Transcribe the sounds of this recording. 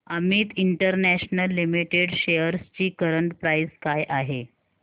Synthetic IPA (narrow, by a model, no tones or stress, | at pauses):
amiːt̪iɳʈəɾnæɕnəlːimiʈeɽɕejəɾst͡ɕiːkəɾəɳʈpɾajskajʔaɦe